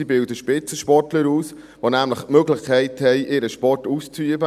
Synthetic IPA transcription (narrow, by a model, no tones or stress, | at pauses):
ibɪldəʃpɪt͡səʃpɔrtləɾuːs | ʋonæmləχmøːɡlɪχkʰɛɪthɛɪʔɪːɾəʃpɔrtuːst͡syəbə